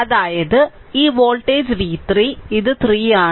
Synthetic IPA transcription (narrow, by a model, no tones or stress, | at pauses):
ðaːjɐðɯiːʋoːlʈeːd͡ʒʋiːt̪ɾiːɪðɯt̪ɾiːaː